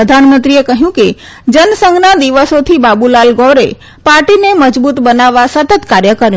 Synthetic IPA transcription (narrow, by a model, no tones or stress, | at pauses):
əd̪ʱanmə̃nt̪ɾiekəɦjũke | d͡ʒənsəŋɡnad̪iʋəsot̪ʰibabulalɡɔɾe | paɾʈineməd͡ʒbut̪bənaʋasət̪ət̪kaɾjəkəɾ